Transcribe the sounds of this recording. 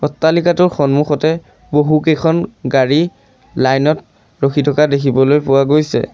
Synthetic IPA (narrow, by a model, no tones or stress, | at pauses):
ɔtːalikatʊɹxɔnmuxɔtɛ | boɦukejkʰɔnɡaɹi | lajnɔt | ɹoxʰitʰɔkadekʰibɔlojpʊwaɡojsɛ̰